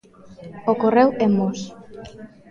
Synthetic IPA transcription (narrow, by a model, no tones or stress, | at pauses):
okorewemos